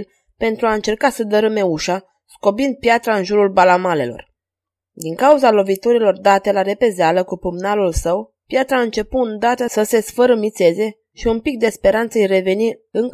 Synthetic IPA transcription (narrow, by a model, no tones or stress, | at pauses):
l | pe̞nt̪ɾuaɨnt͡ʃe̞rkasəd̪əɾɨme̞uʃa | sko̞bind̪̚pjat̪ɾaɨnʒuɾulbalamale̞̰lo̞̰r | d̪iŋkauzalo̞vit̪oɾilo̞rd̪at̪e̞laɾe̞pe̞zealəkupɨmnalulsəw | pjat̪ɾaɨnt͡ʃe̞pund̪at̪əsəse̞sfəɾəmit̪se̞ze̞ | ʃiunpik̚d̪e̞spe̞ɾant̪səjɾe̞ve̞niɨŋk